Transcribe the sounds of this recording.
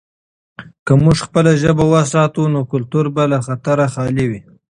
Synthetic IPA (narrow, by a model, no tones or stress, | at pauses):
kəmuʐxpəlaʒəbawəs̬ɑt̪unokʊlt̪uɾbalaxat̪aɾaxɑliwi